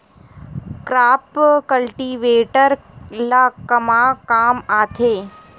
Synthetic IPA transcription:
kɾaːpkɐlʈiːʋeːʈəɾ | laːkɐmakaːmaːt̪ʰeː

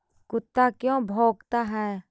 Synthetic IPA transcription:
kʊt̪ːakjõːbʱoːɡt̪aɦɛː

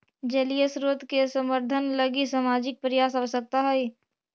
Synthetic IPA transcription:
d͡ʒəlijesɾot̪kesəməɾd̪ʱənləɡisaːmaːd͡ʒɪk̚pɾɪjaːsaʋsək̚t̪aɦɛi

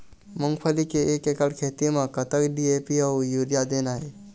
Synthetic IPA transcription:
mə̃ŋɡpʰəlikeeːkekəɽkʰeːt̪imãkət̪əkɖieːpiɔwjuːɾijad̪eːnaɦe

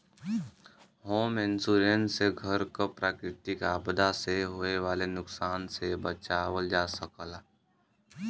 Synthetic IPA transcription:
ɦoːmɪnsuːɾənseɡʱəɾkopɾaːkɾɪt̪ikaːbd̪aseɦoːeʋaːlenʊksaːnsebət͡ʃaːwəld͡ʒaːsəkəla

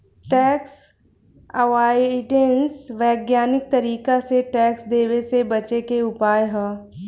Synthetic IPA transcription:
ʈɛːks | ɐʋaːiɪʈẽnsʋɛːɡjaːnɪk̚t̪ɐɾiːkaseʈɛːksd̪eːʋesebɐt͡ʃekeʊpaːjɦɛː

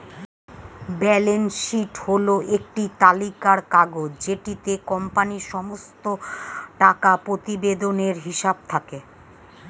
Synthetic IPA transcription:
bɛlenʃiʈholoʔek̚ʈit̪alikaɾkaɡod͡ʑd͡ʑeʈit̪ekɔmpaniʃɔmost̪oʈakapɾot̪ibed̪oneɾɦiʃab̚t̪ʰake

